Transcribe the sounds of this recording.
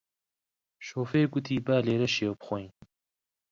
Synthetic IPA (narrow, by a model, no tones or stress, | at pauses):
ʃoːfeːɡʊt̪ʰiːbaːleːɾɐʃeːwpxʷoj